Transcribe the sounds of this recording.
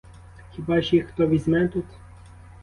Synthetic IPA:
xʲibɑʒixt̪ɔʋʲizʲmɛt̪ut̪

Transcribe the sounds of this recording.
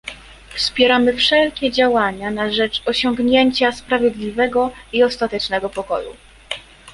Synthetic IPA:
fspʲjɛɾamɘfʂɛlkʲɛd͡ʑawaɲanaʐɛt͡ʂɔɕɔŋɡɲeɲt͡ɕaspɾavʲjɛd̪lʲivɛɡɔiɔst̪at̪ɛt͡ʂnɛɡɔpɔkɔ̰jṵ

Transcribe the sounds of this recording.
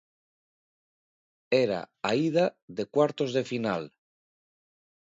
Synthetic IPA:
eɾa̰aiðaðe̞kwaɾt̪o̞zðe̞final

